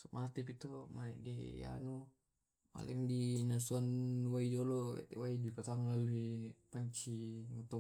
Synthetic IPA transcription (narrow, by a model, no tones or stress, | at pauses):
sumʔat̪ipit̪omanɛ̰deja̰nu | ma̰lɛŋdinasuanwaid͡ʒɔlɔḛt̪waidipat̪aŋlaluipaɲt͡ʃiŋut̪ɔ